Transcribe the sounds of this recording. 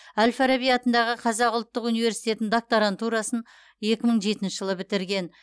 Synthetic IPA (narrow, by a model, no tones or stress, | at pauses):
ælʲfaɾabijɑt̪ənd̪ɑʁəqʰɑzɑqʊlˠt̪ːəqunijve̞ɾsijt̪e̞t̪ːɪŋd̪ok̚t̪oɾant̪uɾɑsən | je̞kʲɪməɴʒe̞t̪ɪnʃəʒəlˠəbɪt̪ɪɾɡʲe̞n